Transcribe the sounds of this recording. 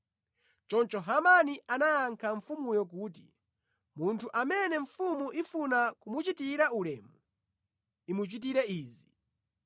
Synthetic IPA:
t͡ʃɔnt͡ʃɔɦamaniʔanaaŋkʰaɱfumujɔk̬uːt̬ḭ | muntʰuʔamɛnɛɱfumuʔifunakumut͡ʃitiɾaulɛmu | imut͡ʃit̬iɾɛiːzi

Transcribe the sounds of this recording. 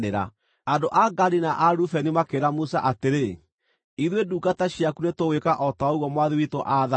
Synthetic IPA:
eɾa̰ | andoʔaɡaɾinaʔaɾufɛnimakeɾamusa̰ʔateɾe | iðweduːɡataɕjakunetowekaʔɔtaoɣwɔmwaðiwitoʔaːða

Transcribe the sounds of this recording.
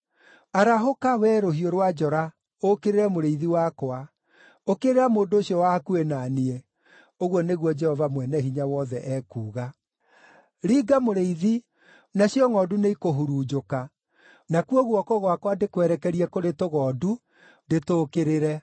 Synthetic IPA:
aɾaɦokawɛːɾohioɾwad͡ʒɔɾa | okeɾeɾɛmoɾeiðiwakwa | okeɾeɾamoːndoːɕjɔwakuenaniɛ | oɣwɔneɣwɔd͡ʒɛhɔvamwɛnɛhiɲawɔðɛʔɛkuːɣa | ɾiːɡamoɾeiði | naɕjɔŋɔːduneikoɦuɾuːd͡ʒoka | nakuɔɣwɔkɔɣwakwandekwɛɾɛkɛɾiɛkoɾetoɣɔːdu | detoːkeɾeɾɛ

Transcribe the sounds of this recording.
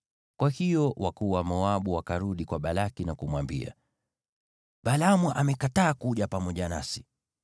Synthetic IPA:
kwahijɔwʔakuwamɔaɓuwakaɾuɗikwaɓalakinakumwambḭa̰ | ɓalamwɛʔamɛkataːkuʄapamɔʄana̰si̥

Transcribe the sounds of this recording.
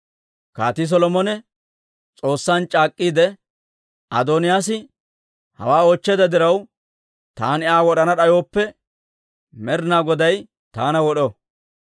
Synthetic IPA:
ka̰ːt̪ɪs̬ɔlɔmɔnɛ | t͡sʼo̞ːsːaːnt͡ʃʼaːkʼːiːd̪ɛ | ɐd̪oːnɪjaːsɪ | hɐ̰waːoːt͡ʃːɛd̪ɐd̪ɪɾɐw | t̪a̰ːnɪʔaːwɔɗɐnɐɗɐjo̞ːpːɛ | mɛɾnaːɡɔd̪ɐj | t̪aːnɐwɔɗɔ

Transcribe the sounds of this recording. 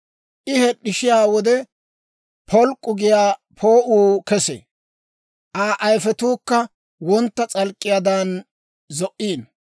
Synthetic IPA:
ʔɪhɛɗːɪʃɪjaːwɔd̪ɛ | pʰɔlkʼːʊɡɪjaːpʰoːʔuːkɛsɛ̰ | ʔaːʔɐjfɛt̪uːkːɐ | wɔnt̪ːɐt͡sʼɐlkʼːɪjad̪ɐn | zɔʔiːn

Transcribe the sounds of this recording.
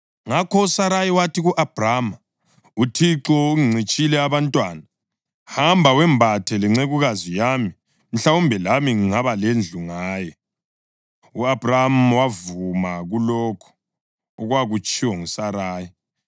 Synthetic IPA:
ŋakʰɔusaɾajiwatʰiɣuʔab̥rama | utʰiǁɔuŋiŋ͡ǀʱit͡ʃʼilɛaβantʼwaːna | hambʱawɛmbʱatʰɛlɛŋ͡ǀeɣuɣazijami | m̩ɬaumbʱɛlamiŋiŋaβalend͡ɮʱuŋaːjɛ | uab̥ʱramwavumaɣulɔːkʰɔ̥ː | ɣwaɣut͡ʃʼiwɔŋusaɾaːji

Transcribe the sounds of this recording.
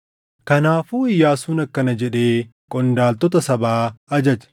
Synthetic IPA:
kɐnaːfuːɪjːaːsuːnɐkːɐnɐd͡ʒɛᶑe̞ː | kʼɔnd̪aːlt̪ɔt̪ɐsɐbaːɐd͡ʒɐt͡ʃɐ̥

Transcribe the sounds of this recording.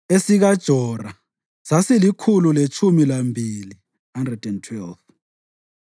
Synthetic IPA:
esiɣad̥ʒ̥ʱɔra | sasilikʰululet͡ʃʰumilambʱili | handrɛdɛntʰwɛlt

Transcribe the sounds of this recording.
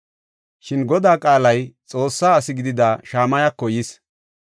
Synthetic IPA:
ʃɪnɡɔd̪aːkʼaːlɐjt͡sʼo̞ːsːaːsɪɡɪd̪ɪd̪aːʃaːmɐjɐkːɔjɪs

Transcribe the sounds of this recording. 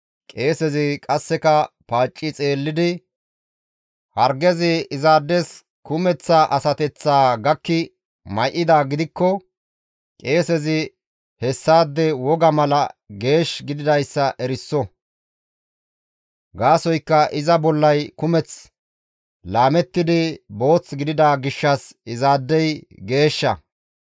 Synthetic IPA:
kʼe̞ːsɛzɪkʼɐsːɛkɐ | paːt͡ʃʼːɪt͡sʼe̞ːlːɪd̪ɪ | hɐɾɡɛzɪɪzaːd̪ːɛs | kʊmɛt͡sːaʔɐsɐt̪ɛt͡sːaːɡɐkːɪ | mɐjʔɪd̪aːɡɪd̪ɪkːɔ | kʼe̞ːsɛzɪ | hɛsːaːd̪ːɛwɔɡɐmɐlɐɡe̞ːʃɡɪd̪ɪd̪ɐjsːɐʔɛɾɪsːɔ | ɡaːsɔjkːɐʔɪzɐbɔlːɐjkʊmɛt͡s | laːmɛt̪ːɪd̪ɪbo̞ːt͡sɡɪd̪ɪd̪aːɡɪʃːɐsɪzaːd̪ːɛjɡe̞ːʃːɐ

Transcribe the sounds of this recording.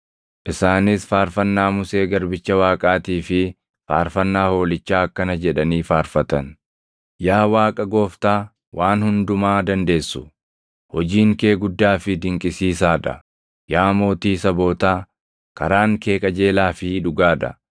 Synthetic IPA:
ʔɪsaːnɪsfaːɾfɐnːaːmʊse̞ːɡɐɾbɪt͡ʃːɐwaːkʼaːt̪iːfɪ | fa̰ːɾfɐnːaːho̞ːlɪt͡ʃːaːɐkːɐnɐd͡ʒɛᶑɐniːfaːɾfɐt̪ɐn | jaːwaːkʼɐɡo̞ːft̪aː | wʔaːnhʊnd̪ʊmaːd̪ɐnd̪e̞ːsːʊ̥ | hɔd͡ʒiːŋke̞ːɡʊd̪ːaːfɪd̪ɪŋkʼɪsiːsaːᶑɐ̰ | jaːmo̞ːt̪iːsɐbo̞ːt̪aː | kɐɾaːŋke̞ːkʼɐd͡ʒe̞ːlaːfɪᶑʊɡaːᶑɐ̰

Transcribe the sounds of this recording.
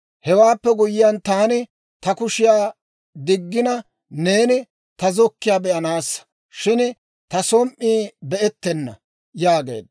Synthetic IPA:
hɛwaːpːɛɡʊjɪjant̪aːnɪ | t̪ɐkʊʃɪjaː | d̪ɪɡːɪnɐ | ne̞ːnɪ | t̪ɐzɔkːɪjaːbɛʔɐnaːsːɐ̥ | ʃɪn | t̪ɐsɔmʔʔiːbɛʔɛt̪ːɛnːɐ̰ | jaːɡe̞̰ːd̪

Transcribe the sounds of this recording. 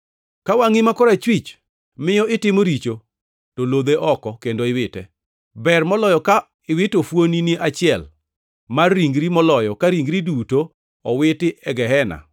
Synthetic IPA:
kawaŋɪmakɔɾat͡ʃwit͡ʃ | mɪjɔɪtɪmoɾit͡ʃo | tolod̪eʔɔkɔkendoɪwɪtɛ̰ | bɛrmɔlɔjɔka | ɪwɪtofwoniniʔat͡ʃɪɛl | marːiŋɡɾimɔlɔjɔkaɾiŋɡɾiduto | ɔwɪtɪʔɛɡɛɦɛna̰

